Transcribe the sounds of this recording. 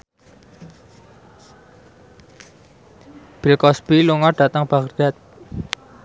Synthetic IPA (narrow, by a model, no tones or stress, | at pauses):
b̥i̤lkɔsbiluŋɔɖ̥at̪əŋb̥ard̪̥at̪̚